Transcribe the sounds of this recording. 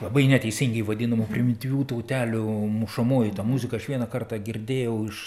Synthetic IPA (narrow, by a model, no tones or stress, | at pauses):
lˠɐbɐɪnʲɛt̪ʲɛɪsʲɪŋʲɡʲɛɪʋɐd̪ʲɪnɐmʊpʲɾʲɪmʲɪt̪ʲɪʋʲuːt̪ɐʊt̪ʲæːlʲʊmuʃɐmoːjɪt̪ɐːmuzʲɪkɐɐʃʋʲiɛnɐkɐrt̪ɑɡʲɪrʲd̪ʲeːjɛʊɪʃ